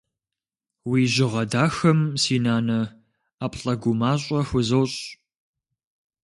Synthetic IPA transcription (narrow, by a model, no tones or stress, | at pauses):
wiːʒɪʁɐdaːxɐmsiːnaːnɐ | aːpʼɬʼɐɡʷʊmaːɕʼɐxʷʊzɐwɕʼ